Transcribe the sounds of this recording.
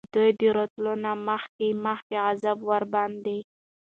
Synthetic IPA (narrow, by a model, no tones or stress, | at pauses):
d̪ujd̪əɾot̪lunaməxkeməxkeɣazabwaɾbɑnd̪e